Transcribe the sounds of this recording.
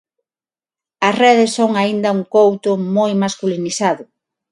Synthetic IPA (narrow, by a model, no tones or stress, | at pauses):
ɐsrɛðɪsːoŋaind̪ɐuŋkowt̪ʊmojmaskuliniθaðʊ